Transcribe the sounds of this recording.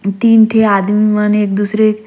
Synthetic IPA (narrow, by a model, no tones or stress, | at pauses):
t̪iːnʈ̪ʰeaːd̪miʋaneeːk̚d̪uːsɾek